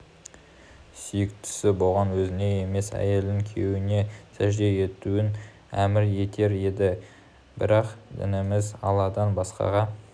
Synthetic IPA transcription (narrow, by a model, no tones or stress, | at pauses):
sʏjɪk̚t̪ʰʏ̥sɪbo̞lˠʁɑnwɵzɪne̞e̞me̞sæ̰je̞ld̪ɪŋkʲʰewɪne̞sæʒd̪e̞e̞t̪uɪn | æmɪɾe̞t̪ʰe̞ɾe̞d̪ɪ | bɪɾɑqd̪ɪ̰nɪmɪzɑ̰lˠɑd̪ɑnbɑsqɑ̰ʁɑ